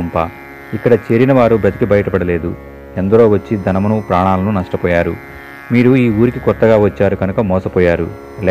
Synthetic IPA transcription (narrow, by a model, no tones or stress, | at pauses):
mpaː | ikːɐɽɐt͡ʃeːɾinɐʋaːɾubɾɐt̪ikibɐjɐʈɐpɐɽɐle̞ːd̪u | end̪ɐɾo̞ːʋɐt͡ʃːid̪ʱɐnɐmɐnupɾaːɳaːlɐnunɐʂʈɐpɔːjaːɾṵ | miːɾuiːuːɾikikɔɾt̪ːɐɡaːʋɐt͡ʃːaːɾuɡɐnukɐmɔːsɐpɔːjaːɾṵ | lː